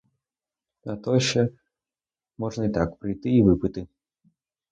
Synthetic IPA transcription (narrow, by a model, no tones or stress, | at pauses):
nɐt̪ɔɕɛ | mɔʐnəit̪akpɾɨjt̪ɨivɨpɨt̪ɨ